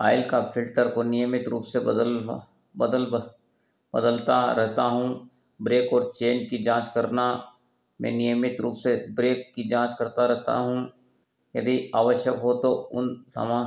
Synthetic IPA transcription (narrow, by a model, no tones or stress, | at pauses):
a̰ːɪlkapʰɪlʈəɾkonɪjəmɪt̪ɾuːpseb̪l | bəd̪əl | b̥əd̪əlt̪aɾɛɦt̪aɦũ | bɾeːkɔːɾt͡ʃeːnkid͡ʒãːt͡ʃkɐɾna | mɛ̰̃ːnɪjəmɪt̪ɾuːpsebɾeːkːid͡ʒãːt͡ʃkɐɾt̪aɾɛɦt̪a̰ɦũ | jɐd̪iaːʋəʃjəkɦot̪oʊ̰nsɐ̰mã